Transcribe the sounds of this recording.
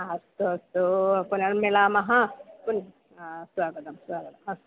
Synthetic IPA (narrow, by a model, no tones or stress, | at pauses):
ɐst̪uɐst̪upunɐnmelaːmɐɦɐ̃pun | sʋaːɡɐt̪ɐmsʋaːɡɐt̪ɐmɐst̪